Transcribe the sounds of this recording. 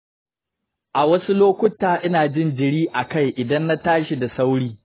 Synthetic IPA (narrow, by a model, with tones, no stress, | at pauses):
ʔa˨wɐ˦su˦loː˦kʷʊ˦tːaː˨ʔɪ˦naː˨d͡ʒɪ˦nd͡ʒɪ˨ɽiː˦ʔa˨ka˦˨jʔɪ˨dɐ˦nːa˦taː˦ʃi˨da˨sa˦wɽiː˦